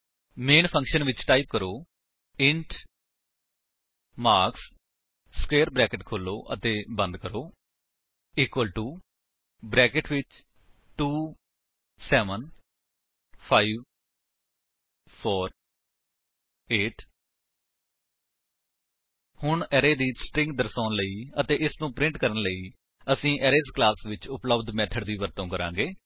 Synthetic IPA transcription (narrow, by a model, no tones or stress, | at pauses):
meːnpʰə̃ŋkʃənʋɪt͡ʃʈaːip̚kəɾoː | ɪ̃ɳʈ | maːɾks | skeːɾbɾɛːkɪʈkʰoːlːoːʔət̪ẽːbə̃nd̪kəɾoː | iːkʋəlʈuː | bɾɛːkɪʈʋɪt͡ʃ | ʈuː | sɛːʋən | pʰaːiːʋ | pʰɔːɾ | eːʈ | hʊɳɛːɾeːd̪iːsʈɪ̃ŋɡd̪əɾsaːnləiːət̪eːʔɪsnũːpɾɪ̃ɳʈkəɾənləiː | əsĩːʔɛːɾeːzklaːsʋɪt͡ʃʊpləbd̪mɛːt̪ʰəɖd̪iːʋəɾt̪õːkəɾã̰ːŋɡeː